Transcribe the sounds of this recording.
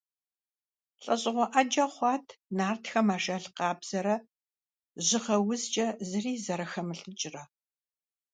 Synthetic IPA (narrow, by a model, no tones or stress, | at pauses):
ɬʼɐɕʼɪʁʷɔʔɐd͡ʒɐχʷɑːtʰnaːrtxɐmaːʃɐɬqɑːbz̥ɐɾɐ | ʑɪχɐwʊzt͡ʃʼɐzɨriːzɐɾɐxɐmɨɬʼɨt͡ʃʼɪrɐ